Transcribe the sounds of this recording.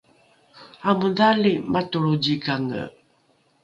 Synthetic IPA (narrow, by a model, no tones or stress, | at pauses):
amudalimatuɭud͡ʑikaŋə̰